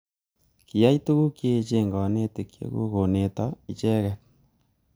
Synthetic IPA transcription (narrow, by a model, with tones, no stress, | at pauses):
ki˨ja˦itu˦ɣu˦kje˦t͡ʃe˦ŋɡɔ˨ne˦te˨kjḛ˦ɣṵ˦ɣo˨ne˨ta˦i˨t͡ʃɛ˦ɣɛ